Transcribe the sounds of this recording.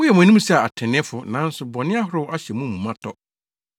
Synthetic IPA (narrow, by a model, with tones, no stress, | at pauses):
wʊ˦jɛ˨mʊ̃˨nĩ˦m˦sɛ˦a˨a˨tʰɪ̃˨nɪ̃˦fʊ˨nã˨˦n̩˦sʊ˨bɔ˨nɪ̃˦a˦ɦʊ˦ɾʊ˦a˦ɕɛ˨mũ˦mũ˨mã˦tʰɔ˨